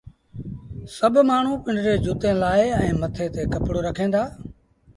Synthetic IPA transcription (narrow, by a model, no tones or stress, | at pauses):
səbʱmaːɳ̤ũːpɪ̃ɳɖɾeːd͡ʒʱʊːt̪ẽːlaːɪɛ̃ːmət̪ʰeːt̪eːkəpɽoːɾəkʰẽːnd̪aː